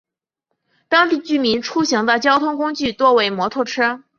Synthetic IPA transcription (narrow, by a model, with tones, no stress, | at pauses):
t̪ɑ˥ŋt̪i˥˩t͡ɕy˥˩mi˧˥nʈ͡ʂʰu˥ɕi˧˥ŋd̪ə˧t͡ɕjɑ˥ʊt̪ʰʊ˥ŋkʊ˥ŋt͡ɕy˥˧t̪wɔ˥˩we˧˥ɪmwɔ˧˥t̪ʰɔ˥˩ʈ͡ʂʰɤ˥